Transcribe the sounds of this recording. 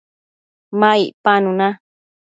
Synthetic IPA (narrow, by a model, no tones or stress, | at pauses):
maiʔpanũna